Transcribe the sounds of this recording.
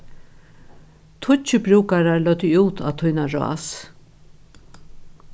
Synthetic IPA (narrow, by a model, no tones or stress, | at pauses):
t̪ʰʊt͡ʃəbɾuːkaɾaɹlœt̪əuːt̪ʰa̰ːt̪ʰʊjnaɾo̰a̰s